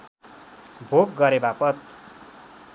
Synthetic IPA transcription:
bʱoɡ̚ɡʌɾebapʌt̪̚

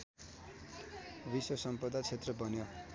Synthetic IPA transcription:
biswʌsʌmpʌd̪at͡sʰet̪rʌbʌnjo

